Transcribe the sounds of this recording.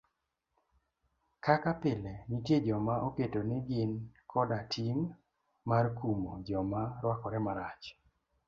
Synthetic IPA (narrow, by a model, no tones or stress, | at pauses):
kakapɪlenitjed͡ʒɔmaʔoketonɪɡɪnkʰɔdatʰiŋ | markumod͡ʒɔmaɾwakɔɾɛmaɾat͡ʃ